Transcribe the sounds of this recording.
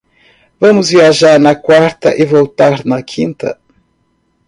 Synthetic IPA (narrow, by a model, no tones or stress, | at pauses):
vɐ̃mʊzviaʒaɾnɐkwaɾt̪ɐʔɪvowt̪aɾnɐkʰĩnt̪ɐ̰